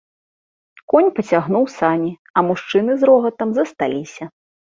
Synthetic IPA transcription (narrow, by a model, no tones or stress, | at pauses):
kɔnʲpɐt͡sʲaɣnuwsanʲi | ɐmuʂt͡ʂɨnɨzɾɔɣɐt̪ɐmzɐst̪alʲisʲɐ